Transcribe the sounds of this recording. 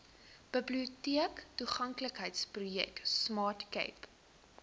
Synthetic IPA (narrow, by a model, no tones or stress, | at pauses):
b̥əbliutiəktuχɐŋkləkɦəjtsprujɛ̰ksmɑːrtkɛ̰jp